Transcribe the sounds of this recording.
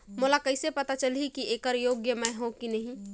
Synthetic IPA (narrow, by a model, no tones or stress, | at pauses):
molakəɪsepət̪at͡ʃəlikiekəɾjoɡjəmẽɦõkinəɦĩ